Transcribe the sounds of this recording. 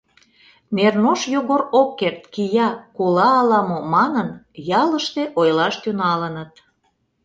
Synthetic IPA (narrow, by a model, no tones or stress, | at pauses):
nernoʃjoɣoɾokːert̪kijɑkulɑːlɑmomɑnənjɑləʃt̪eʔojlɑʃt̪ynɑlənət̪